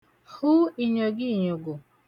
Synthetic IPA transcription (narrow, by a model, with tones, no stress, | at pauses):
hu˦i˨ɲe˨ɡɪ˦˨ɲo˨ɡʊ˨